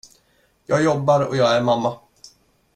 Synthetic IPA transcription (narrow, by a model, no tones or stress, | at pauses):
jɑːɡjɔbːaɾɔ̰jɑːɡæɾmamːa